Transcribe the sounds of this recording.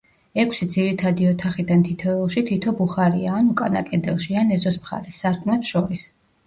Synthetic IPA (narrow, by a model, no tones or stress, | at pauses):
ɛkʰsid̪ziɾit̪ʰad̪iɔt̪ʰaχid̪ant̪ʰit̪ʰɔɛlˠʃit̪ʰit̪ʰɔbuχaɾḭaːnukʼana̰kʼɛd̪ɛlˠʃianɛzɔsmχa̰ɾɛsːaɾt̪ʰʼnɛpsʃɔɾis